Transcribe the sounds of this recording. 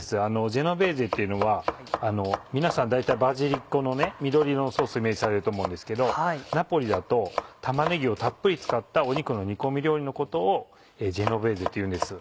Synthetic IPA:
sɨano̞ʑe̞no̞be̞ːze̞t̪ːe̞iɯ̟no̞βa | ano̞mʲinasãnd̪ait̪aibaziɾʲikːo̞no̞nemʲid̪o̞ɾʲioso̞ːsoime̞ːʑisaɾe̞ɾɯ̟t̪o̞ːmo̞ɯ̃nd̪e̞sɨ̥ke̞d̪o̞napo̞ɾʲid̪at̪o̞t̪amaneɡʲio̞t̪apːɯ̟ɾʲit͡sɨ̥kat̪ːao̞ɲ̟ikɯ̟no̞ɲ̟iko̞mʲiɾʲo̞ːɾʲino̞ko̞t̪o̞ː | eːd͡ʑe̞no̞be̞ːze̞t̪ːeiɯ̟̃nd̪e̞sɨ

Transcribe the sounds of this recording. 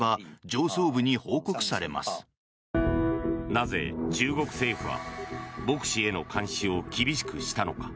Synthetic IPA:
ad͡ʑo̞ːso̞ːbɯ̟ɲ̟iho̞ːkokɯ̟̥saɾe̞ma̰sɨ̥ | naze̞̰t͡ɕɨːɡo̞kɯ̟̥se̞ːɸɯ̟βa̰bo̞kɯ̟̥ɕie̞no̞kʰãɰ̃ɕio̞kʲibʲiɕi̥kɯ̟ɕi̥t̪ano̞̰kḁ

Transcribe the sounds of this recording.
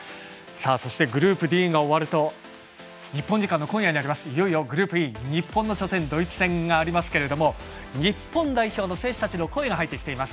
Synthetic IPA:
saːso̞ɕi̥t̪e̞ɡɯ̟ɾɯ̟ːpɯ̟d̪ʲĩːŋɡaoβaɾɯ̟t̪o̞ | ɲ̟ipːoɲ̟d͡ʑikãnːo̞kõɰjaɲinaɾʲimasɨ̥ijo̞ijo̞ɡɯ̟ɾɯ̟ːpɯ̟iɲ̟ipːõnːo̞ɕo̞sẽ̞nd̪o̞it͡sɨ̥sẽ̞ŋɡaːɾʲimasɨ̥ke̞ɾe̞d̪o̞mo̞ɲ̟ipːõ̞nd̪aiço̞ːno̞se̞ːɕi̥t̪at͡ɕino̞ko̞e̞ɡaɦait̪ːe̞kʲi̥t̪eimasɨ̥

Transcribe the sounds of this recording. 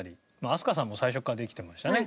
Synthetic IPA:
ɾʲi | maːsɨ̥kas̬ãmːo̞saiɕ̬o̞kːad̪e̞kʲi̥t̪e̞maɕi̥t̪ane̞

